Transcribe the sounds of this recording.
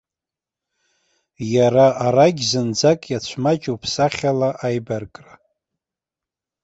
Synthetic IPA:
jaɾaʔaɾaɡʲzɨnd͡zakʼjat͡ɕʷʰmat͡ʃʼwpʰsaχʲalaʔajbarkʼra

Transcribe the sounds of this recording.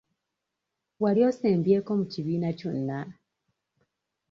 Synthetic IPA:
waljo̞ːseːmbje̞ːko̞muciβiːnaconːa

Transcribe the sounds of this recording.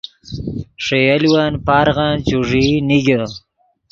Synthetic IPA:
ʂejaliwanpaɾɣant͡ɕuʐiniɡə

